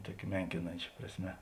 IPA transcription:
ˈtuɔkʲɛ ˈmʲɛŋʲkʲɪnɐnʲt͡ʃʲɛ prɐsʲˈmʲɛ

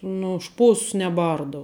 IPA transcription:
ˈnʊ ʊʃ ˈʃpoːss nʲɛˈbɐrdɐʊ

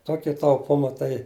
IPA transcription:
ˈtoːkʲɛ tɐʊˈpʊmɐ tɐɪ

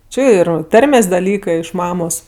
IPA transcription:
ˈt͡ʃʲɪ ˈɪr ˈtɐrʲmʲeːsʲ dɐˈlʲiːkɜ ɪʃ ˈmɑːmoːs

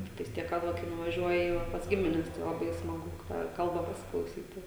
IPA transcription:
ˈtʲɪktɐɪs ˈtʲiɛk kɐt ˈʋɐ kɐɪ nʊʋɐˈʒʲuɔjɪ jɛʊ ʋɐ pɐs ˈɡʲɪmʲɪnʲɛs tɐɪ lˠɐˈbɐɪ smɐˈɡʊ tɑː ˈkɐlˠbɐ pɐsʲɪklˠɐʊˈsʲiːtʲɪ

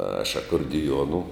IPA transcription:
ɐʃ ɐkoːrʲdʲɪˈjuɔnʊ

